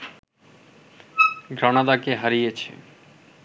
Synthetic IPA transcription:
ɡɾanad̪akeɦaɾijet͡ɕʰḛ

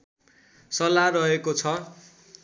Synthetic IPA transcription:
sʌlarʌɦekot͡sʰʌ

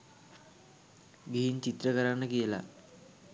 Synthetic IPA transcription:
ɡeɦint͡ʃit̪rəkəɾanːəkijəla̰

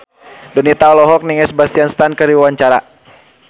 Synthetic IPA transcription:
dɔnit̪aɔlɔɦɔk̚niŋɛsbast̪ianst̪ankəɾiwaɲt͡ʃaɾa

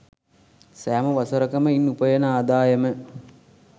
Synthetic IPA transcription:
sæːməʋasɐɾəkəməinːupəjɐnaːd̪aːjəmə

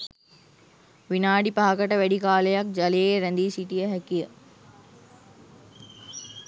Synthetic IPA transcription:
ʋinaːɖipaɦakəʈəʋæɖikaːləjak̚d͡ʒalejeɾænd̪iːsiʈijəɦækijə

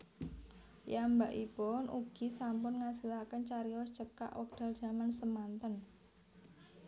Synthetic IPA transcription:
jambaʔipʊnʔuɡ̥i̤sampʊnŋasilakənt͡ʃaɾiɔst͡ʃəp̚ka̰ʔwɔk̚d̥a̤ld̥ʒ̥a̤mansəmant̪ən

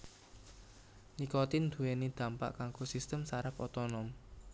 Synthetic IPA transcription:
nikot̪ind̪ṳenid̪̥ä̤mpa̰ʔkaŋɡosist̪əmsaɾapɔ̰t̪ɔnɔm

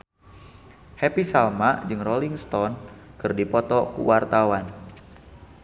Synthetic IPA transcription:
hɛpisalmad͡ʒɨŋroliŋst̪ɔnkɨrdipɔt̪ɔkṵwart̪awan

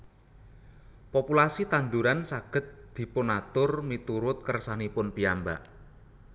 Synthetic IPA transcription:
populasit̪and̪uɾansaɡ̥ə̤t̪̚d̪̥i̤pʊnat̪ʊrmit̪uɾʊt̪̚kərsanipʊnpijamba̰ʔ

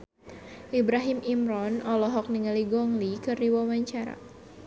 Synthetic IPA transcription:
ʔibɾaɦimʔimɾɔnɔlɔɦɔk̚niŋaliɡɔŋlikɨrdiwamaɲt͡ʃaɾa̰

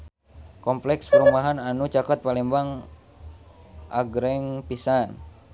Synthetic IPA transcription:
kɔmplɛkspəɾumbaɦananut͡ʃakat̪̚palɛmbaŋ | ʔa̰ɡɾɛŋpisan

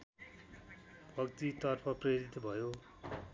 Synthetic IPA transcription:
bʱʌkt̪it̪ʌrpʰʌprʌjeɾit̪bʱʌjo

